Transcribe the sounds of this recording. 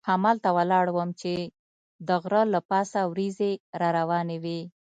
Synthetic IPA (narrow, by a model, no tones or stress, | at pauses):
hamalt̪awəlɑɽwəmt͡ʃe | d̪əɣɾəlapɑsawɾizeɾɑɾawɑnewi